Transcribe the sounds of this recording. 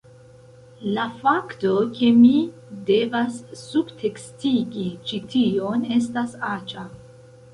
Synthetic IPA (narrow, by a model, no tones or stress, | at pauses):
lafakto̞ke̞mide̞vasːubtʰe̞kstiɡit͡ʃitio̞ne̞s̬tasat͡ʃa